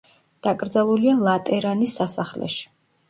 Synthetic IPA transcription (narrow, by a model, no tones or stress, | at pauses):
d̪̥akʼɾd̪zalˠulialˠat̪ʼɛɾanisːasaχlɛ̰ʃi̥